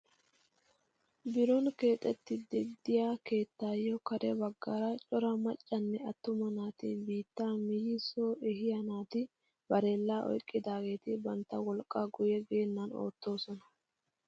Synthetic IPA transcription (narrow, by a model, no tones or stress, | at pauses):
bɪɾɔnke̞ːt̪ʼɛt̪ːɪd̪ɪd̪ɪjaːke̞ːt̪ːaːjːɔkɐɾɛbɐɡːaɾɐt͡ʃʼɔɾɐmɐt͡ʃʼːɐnːɛɐt̪ːʊmɐnaːt̪ɪbiːt̪ːaːmɪjɪsoːʔɛhɪjɐnaːt̪ɪ | b̥ɐɾe̞ːlːaːʔɔ̰jkʼːɪd̪aːɡe̞ːt̪ɪbɐnt̪ːɐwɔlkʼːaːɡʊjɛɡeːnːɐno̞̰ːt̪ːo̞ːsɔnɐ